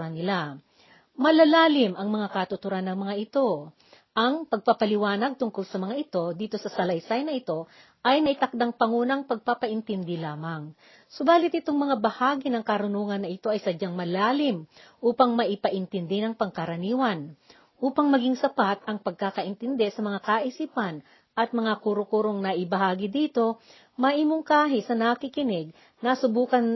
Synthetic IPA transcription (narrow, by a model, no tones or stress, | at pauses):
ɾanɪla | mɐlɐlaːlɪmʔɐŋmɐŋakɐt̪ʊt̪ʊɾanːɐŋmɐŋaʔɪt̪o̞ | ʔɐŋpɐɡ̚papɐlɪwaːnɐɡ̚t̪ʊŋkolsɐmɐŋaʔɪt̪o̞d̪iːt̪o̞sɐsɐlɐjsajnɐɪt̪o̞ | ʔɐjnɐʔɪt̪ɐk̚d̪aŋpɐŋuːnɐŋpɐɡ̚papɐʔɪnt̪ɪnd̪ɪlaːmɐŋ | sobaːlɪt̪̚ɪt̪oŋmɐŋabɐhaːɡinɐŋkɐɾʊnuːŋɐnːɐʔɪt̪o̞ʔɐjsɐd͡ʒaŋmɐlaːlɪmʔuːpɐŋmɐʔɪpɐʔɪnt̪ɪnd̪ɪnɐŋpɐŋkɐɾɐniːwɐn | ʔuːpɐŋmɐɡiŋsɐpat̪ʔɐŋpɐɡ̚kakɐʔɪnt̪ɪnd̪ɛsɐmɐŋakaʔɪsiːpɐn | ʔɐt̪̚mɐŋakuɾʊkuɾoŋnɐʔɪbɐɦaːɡɪd̪iːt̪o̞ | mɐʔiːmʊŋkaːɦɪsɐnɐkikɪnɪɡ̚ | nɐsʊbuːkɐn